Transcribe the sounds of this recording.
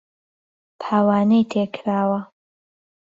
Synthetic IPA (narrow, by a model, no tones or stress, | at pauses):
t̪ʰaːwaːnejt̪ʰeːkʰɾaːwɐ